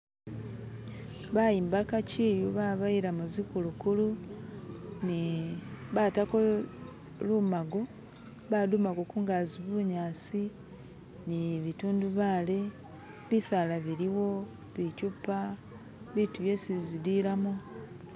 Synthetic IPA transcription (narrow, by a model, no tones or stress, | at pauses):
βajiːmbakaciːjuβaβaiɾamuzikulukulu | ni | βatako | luːmaɡo̞ | βadumakokuːŋɡaziβuɲaːsi | niβituːnduβaːle | βisalaβiɾiwo̞ | βicupːa | βituβjesizidilamu